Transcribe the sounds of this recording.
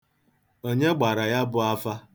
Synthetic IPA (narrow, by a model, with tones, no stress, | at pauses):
o˦ɲe˦ɡ͡ba˨ɾa˨ja˦bʊ˦a˦fa˦